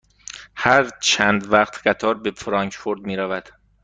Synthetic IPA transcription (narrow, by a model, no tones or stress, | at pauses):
hæɾt͡ʃʰæːnd̪væqt̪ʰɢ̥æt̪ʰɒːɾbefɾɒːŋkfoɾd̪̚miːɾævæd̪̥